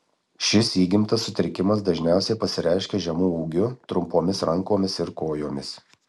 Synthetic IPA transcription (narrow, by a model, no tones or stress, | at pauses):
ʃʲɪsiːɡʲɪmt̪ɐsːʊt̪ʲɾʲɪkʲɪmɐsd̪ɐʒʲnʲæˑʊsʲɛɪpɐsʲɪɾʲæɪʃʲkʲeːʒʲɛmuːuːɡʲʊt̪ɾʊmpoːmʲɪsɾɐŋkoːmʲɪsɪɾkoːjoːmʲɪs